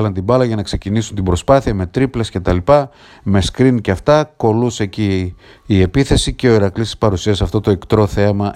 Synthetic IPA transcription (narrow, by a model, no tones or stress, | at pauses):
lɐnt̪ibɐlɐʝɐnɐkse̞cinisunt̪ibɾo̞spɐθiɐme̞t̪ɾiple̞sce̞t̪ɐlipɐ | me̞skɾiniceɐft̪ɐko̞luse̞ciː | e̞piθe̞sice̞o̞iɾɐklist̪i̥spɐɾusiɐsɐft̪o̞t̪o̞ekt̪ɾo̞θe̞mɐ